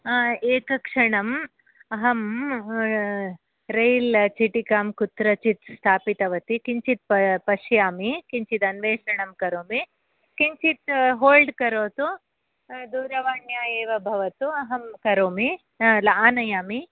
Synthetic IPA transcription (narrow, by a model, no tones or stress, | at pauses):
eːkɐkʂɐɳɐm | ɐɦɐm | ɾɐjlt͡ʃiʈikaːmkut̪ɾɐt͡ʃit̪st̪ʰaːpit̪ɐʋɐt̪ikiɲt͡ʃit̪̚ppɐʃjaːmikiɲt͡ʃit̪ɐnʋeːʂɐɳɐmkɐɾoːmi | kiɲt͡ʃit̪ɦoːlɖkɐɾoːt̪u | d̪uːɾɐʋaːnjaːjeːʋɐbʱɐʋɐt̪uɐɦɐmkɐɾoːmi | lɐaːnɐjaːmi